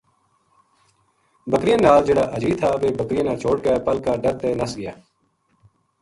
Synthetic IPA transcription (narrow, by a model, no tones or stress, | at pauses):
bəkɾɪjãnaːld͡ʒəɽaːʔəd͡ʒiːt̪ʰaːʋeːbəkɾɪjãːnãːt͡ʃʰoːɽ̚kɛːpəlkaːɖəɾt̪eːnəsɡɪjaː